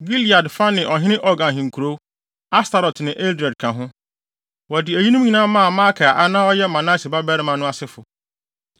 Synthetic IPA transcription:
ɡi˦li˨a˨dfa˦nɪ̃˨ʔɔ˨ɦɪ̃˦nɪ̃˦ʔɔ˦ɡã˨nɦɪ̃˨ŋ̩˨kʰu˨ɾo˦ | a˦sta˨ɾɔ˨tʰnɪ̃˨ʔe˦ldɛ˨d̚kʰã˨ɦʊ̃˦ | wɔ˨dɪ˨æ˨ji˦nũ˦m˦ɲĩ˨nãː˦mã˦a˨ma˦kʰa˨ʔa˦nã˦ɔ˦jɛ˦mã˨na˦si˨ba˦bɛ˦ɾɪ˦mã˨nʊ̃˦a˨sɪ˦fʊ˨

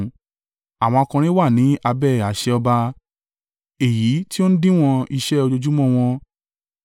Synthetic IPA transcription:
a˨w̃ɔ̃˧ɔ˧kã˧ɾ̃ĩ˦wa˦˨nĩ˨˦ʔa˧bɛ˦˨a˨ʃɛ˧ɔ˧ba˧ | e˨ji˨˦ti˦o˦ñ̩˦dĩ˦˨w̃ɔ̃˧i˧ʃɛ˦o˧d͡ʒo˧d͡ʒu˦mɔ̃˦˨w̃ɔ̃˧

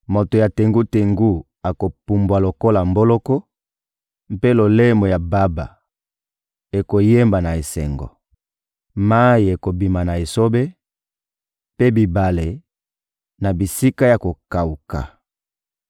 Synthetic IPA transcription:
mo˨to˨ja˨te˨ŋɡu˦te˨ŋɡu˦ | a˨ko˨pu˨mbwa˨lo˨ko˦la˨mbo˦lɔ˦kɔ˦ | m˦pe˦lo˨le˦mo˨ja˨ba˦ba̰˨ | e˨ko˨je˦mba˨na˨e˨sɛ̰˨ŋɡɔ̰˨ | ma˦i˨e˨ko˨bi˨ma˨na˨e˨so˦be˦ | pe˦bi˨ba˨le˨ | na˨bi˨si˦ka˦ja˨ko˨ka˨u˨ka̰˨

